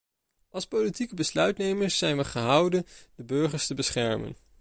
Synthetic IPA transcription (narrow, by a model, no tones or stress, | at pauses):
ʔɑlˠspowlitikəbəslœɥtnejməɹsːɛjnʋəχəɦɑwdəndəbɵɹχəɹstəbəsχɛɹmə̰n